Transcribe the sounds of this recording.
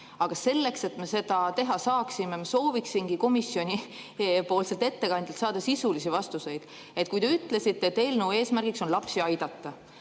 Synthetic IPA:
ɑɡ̥ɑse̞lːe̞kse̞t̪me̞se̞d̪̥ɑt̪e̞ɦɑsɑːksimemɑso̞ːviksiŋɡ̥iko̞misio̞nʲipo̞ːlselt̪e̞t̪ːe̞kɑnd̪̥elt̪sɑːd̪̥ɑsisulisivɑst̪use̞jd̪̥ | e̞t̪kujt̪e̞yt̪ːˑle̞sit̪ːet̪ːe̞jlnuːe̞ːsmærɡ̥ikso̞nlɑpsiɑjd̪̥ɑt̪ːɑ

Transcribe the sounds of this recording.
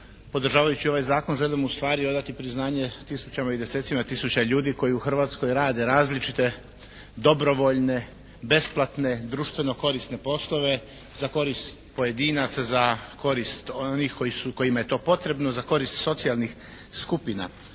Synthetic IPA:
po̞d̪r̩ʒaːʋajut͡ɕio̞ʋajzaːko̞nʒe̞limust̪ʋaːɾio̞d̪at̪ipɾiznaːɲe̞t̪isut͡ɕamaid̪e̞set̪simat̪isut͡ɕaʎuːd̪iko̞jiuxr̩ʋaːt̪sko̞jɾaːd̪e̞ɾaːzlit͡ʃit̪e̞ | d̪o̞bɾo̞ʋo̞ʎne̞ | be̞splˠat̪ne̞d̪ɾuːʃt̪ʋe̞no̞ko̞ɾist̪ne̞po̞slo̞ʋe̞zako̞ɾist̪po̞je̞d̪iːnat̪sazako̞ɾist̪onixko̞jisuko̞jimaje̞t̪o̞ːpo̞t̪ɾe̞bno̞zako̞ɾist̪so̞t̪sialˠnixskupina̰

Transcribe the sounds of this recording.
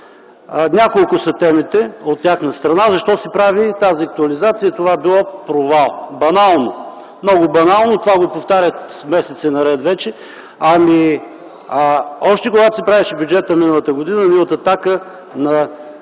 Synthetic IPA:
nʲakolˠkʊsɐt̪ɛmit̪ɛot̪ːʲaxnɐst̪ɾɐnazɐʃt̪ɔsɛpɾavit̪aziɐk̚t̪ʊɐlizat̪sijət̪ovabilˠɔpɾovalˠbɐnalˠno | mnɔɡʊbɐnalˠnot̪ovaɡopoft̪aɾʲət̪mɛsɛt̪sɛnɐɾɛt̪vɛt͡ʃɛ | ɐmi | ɔʃt̪ɛkoɡat̪ʊ̥sipɾavɛʃɛbʲjud͡ʒɛt̪əminəlˠət̪əɡod̪inənilˠət̪ət̪akə | nɐ

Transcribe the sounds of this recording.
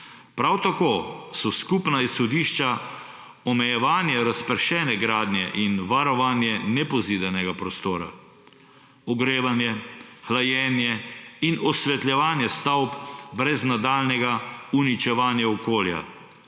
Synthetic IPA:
pɾawt̪akoːsɔskupnaisxɔd̪iːʃt͡ʃa | ɔmɛjɛʋaːnjɛɾaspəɾʃɛːnɛɡɾaːd̪nʲjɛʔinʋaɾɔʋaːnjɛnɛpɔziːd̪ɛnɛɡapɾɔst̪oːɾa̰ | ɔɡɾeːʋanjɛxlajɛnjɛinɔsʋɛt̪lʲjɛʋaːnjɛst̪awpbɾɛznad̪aːlnɛɡaunit͡ʃɛʋaːnjɛɔkoːlja̰

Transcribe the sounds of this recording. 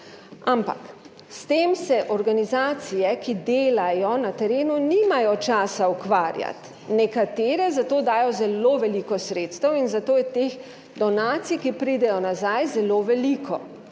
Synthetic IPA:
ampa̰k | st̪eːmsɛʔɔɾɡanizaːt̪sijɛkid̪eːlajɔnat̪ɛɾeːnuniːmajɔt͡ʃaːsaukʋaːɾja̰t̪ | nɛkat̪eːɾɛzat̪oːd̪aːjɔzɛloːʋɛlikɔsɾeːt̪st̪əwinzat̪oːjɛt̪eːx | d̪ɔnaːt̪sijkipɾiːd̪ɛjɔnazajzɛloːʋɛlikʰɔ̰

